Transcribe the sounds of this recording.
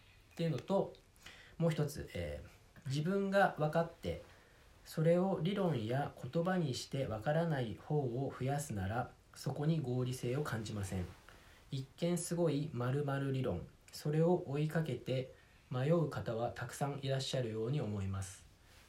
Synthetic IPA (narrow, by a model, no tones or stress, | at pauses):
t̪e̞ɯ̟no̞t̪o̞ | mo̞ːçi̥t̪o̞t͡sɨ̰ʔḛː | d͡ʑibɯ̟̃ŋɡaβakat̪ːe̞̰ | so̞ɾe̞o̞ɾʲiɾõ̞ɰ̃jakʰo̞t̪o̞baɲ̟iɕi̥t̪e̞βakaɾanaiho̞ːoɸɯ̟jasɨnaɾa | so̞ko̞ɲ̟iɡo̞ːɾʲise̞ːo̞kãɲ̟d͡ʑimasẽ̞̰ŋ | ikːẽ̞ɰ̃sɨɡo̞imaɾɯ̟maɾɯ̟ɾʲiɾõ̞̰ŋ | so̞ɾe̞o̞ʔoikake̞t̪e̞ | majo̞ɯ̟kat̪aβat̪akɯ̟̥sãɰ̃ʔiɾaɕːaɾɯ̟jo̞ːɲ̟io̞mo̞imasɨ̥